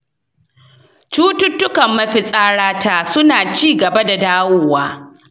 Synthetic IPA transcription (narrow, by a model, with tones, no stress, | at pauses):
t͡ʃuː˦tʊ˦tːʊ˦kɐ˨mːɐ˦ɸɪ˨sʼaː˦ɽaː˦tʰaː˦sʊ˦naː˨t͡ʃiː˦ɡɐ˨ba˦da˨daː˦wʊː˦waː˦